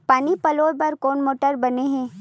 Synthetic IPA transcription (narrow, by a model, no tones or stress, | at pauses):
paːnipɐloːbɐɾkoːnmoːʈəɾbɐneɦɛ̃ː